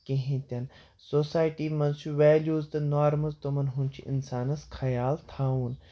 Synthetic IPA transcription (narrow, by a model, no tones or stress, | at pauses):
keɦẽt̪ʲɐn | soːsaːjʈiːmɐnt͡ʃʰuʋɛːljuːzt̪ɐnaːɾmɐzt̪omɐnɦũnt͡ʃʰiʔɪ̰nsaːnɐsxʰɐjaːlt̪ʰaːũːn